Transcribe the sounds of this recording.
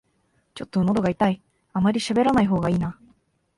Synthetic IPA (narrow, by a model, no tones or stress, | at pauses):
t͡ɕo̞t̪ːo̞no̞d̪o̞ɡait̪ai | amaɾʲiɕabe̞ɾanaiɦo̞ːɡaiːna